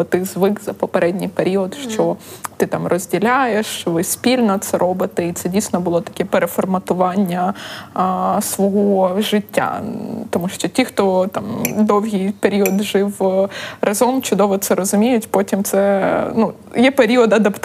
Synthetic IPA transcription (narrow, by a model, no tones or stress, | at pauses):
ɔt̪ɪzʋɪkzɐpɐpɐɾɛdʲnʲɪjpeɾʲiɔt̪ʃt͡ʃɔt̪ɪt̪amrɔzʲdʲɪlʲajeʂʋɨsʲpʲilʲnɐt̪sɐɾʔobɨt̪ɨit̪sɛdʲijst̪ʲnɔbɨlˠɔt̪ɐ̥kʲɛpɛɾɛfɔrmɐt̪ʊʋɑnʲːɐ | sʋɐɦoʐɪtʲːa̰t̪ɐmuʂt͡ʃɔtʲixt̪ot̪amd̪owɦʲijpeɾʲiɔd̪ʐɪwrʔɐzomt͡ʃʊd̪oʋɔt̪sɛɾɐzʊmʲejʊtʲpotʲimt̪sɛnu | jɛpeɾʲiɔd̪ɐd̪ɐpt̪